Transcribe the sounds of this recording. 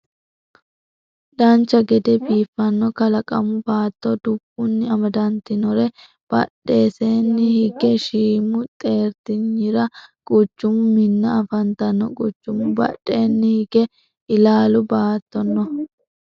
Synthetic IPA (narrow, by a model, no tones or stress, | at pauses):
dɐnt͡ʃːɐɡɛd̪ɛbiːfːɐnːɔkɐlɐkʼɐ̰mʊbaːt̪ːɔd̪ʊɡʊnːɪɐmɐd̪ɐnt̪ɪnɔɾɛ | b̥ɐ̰ᶑːe̞ːseːnːɪhɪɡɛʃiːmʊt̪ʼe̞ːɾt̪ɪɲːɪɾɐkʼʊt͡ʃːʊmʊmɪnːɐːfɐnt̪ɐnːɔkʼʊt͡ʃːʊmʊbɐ̰ɗːe̞ːnːɪhɪɡ̥ɛ | ʔɪlaːlʊbaːt̪ːɔnːɔ